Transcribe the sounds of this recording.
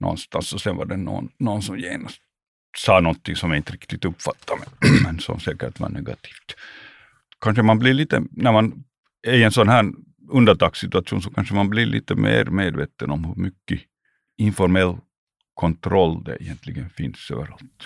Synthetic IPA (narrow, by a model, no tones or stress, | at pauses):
nɔ̰nst̪ansɔsɛnva̰ɖɛno̰ːnːɔnsɔmjeːnast̪ | sɑːnɔnt̪ʰːɪŋsɔmjaɾɪnt̪ɾɪkt̪ɪɡt̪ɵpːfat̪ʰːamɛmɛnsɔ̰msɛːkəʈva̰ɳɛɡɑ̰t̪ʰi̥ːft̪ | kʰanʂəmanblɪɾɭiːt̪ə̰næɾman | æɪɛnsɔnɦæːɳ | ɵnd̪əɳʈɑːksɪt̪ʉat̪ʰuːnsɔkʰanʂəmanbliɭʔḭːt̪əmḛːɾmeːd̪veːt̪ənɔmhɵɾmʏkːə | ɪnfɔɾmɛlː | kʰɔnt̪ʰɾɔlːd̪ɛ̰ɪjɛnt̪ʰlɪɡənfɪnsø̰ːvəɾalt̪